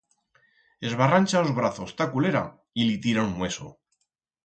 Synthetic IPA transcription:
e̞zβaranʲt͡ʃaozβɾaθo̞st̪akuleɾa̰ | ilit̪iɾanmwe̞so̰

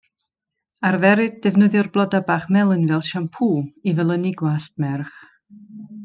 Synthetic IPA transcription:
arvɛɾɨd̚dɛvnɨðjʊrblˠɔdabaːχmɛlˠənvɛlˠʃampʰuːivɛlˠəniɡlast̚mɛrχ

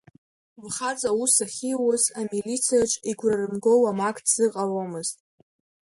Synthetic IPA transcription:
lχat͡sʼausaχʲiwʊzamilit͡sʰijaʈ͡ʂʼiɡʷrarɨmɡo̞wamakʰʼdz̥ɨqʼaromɨztʼ

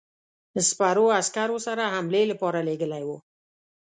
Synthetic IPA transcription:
ɪspaɾoaskaɾosaɾaɦamlelapɑɾaleɡəlajwo

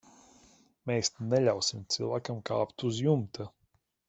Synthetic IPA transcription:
meːsnɛlʲawsimt̪sɨlˠvaːkamka̰ːpt̪uzjumt̪a

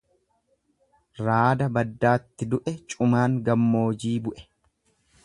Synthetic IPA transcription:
ɾaːd̪ɐbɐd̪ːaːt̪ːɪd̪ʊʔɛt͡ʃʼʊmaːŋɡɐmːo̞ːd͡ʒiːbʊʔɛ̥

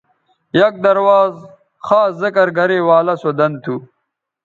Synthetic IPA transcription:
jɐk̚d̪ɐɾwaːz | xaːszɐkɐɾɡɐɾeːwaːlɐsod̪ɐnt̪ʰu

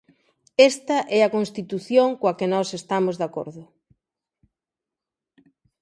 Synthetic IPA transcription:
ɛst̪ɐʔɛɐkonst̪it̪uθjoŋkoɐkenɔsest̪amozðako̰ɾðʊ

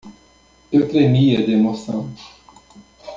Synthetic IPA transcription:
ewt̪ɾemiɐd̪emosɐ̃w̃

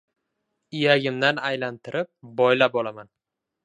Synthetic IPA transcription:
ɪjaɡʲɪmd̪anajlant̪ʰɪɾɪp̚bɒjlap̚ɒlaman

